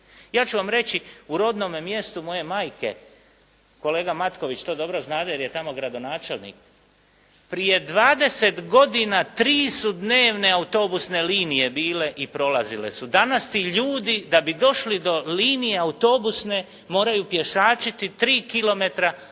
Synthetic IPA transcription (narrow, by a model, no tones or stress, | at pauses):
jaːt͡ɕuʋamɾe̞t͡ɕiuɾo̞d̪no̞memje̞st̪umo̞je̞maːjke̞̰ | ko̞le̞ːɡamat̪ko̞ʋit͡ʃt̪o̞ːd̪o̞bɾo̞znaːd̪ajeɾjet̪amo̞ɡɾad̪o̞naːt͡ʃe̞lˠnḭːk | pɾije̞d̪ʋaːd̪e̞se̞t̪ɡo̞d̪inat̪ɾiːsud̪ne̞ːʋne̞aut̪o̞busne̞liːnije̞biːle̞ʔipɾo̞lˠazile̞̰sud̪anast̪iʎuːd̪id̪abid̪o̞ʃlid̪o̞liːnije̞aut̪o̞busne̞ | mo̞ːɾajupje̞ʃaːt͡ʃit̪it̪ɾiːkilo̞me̞t̪ɾa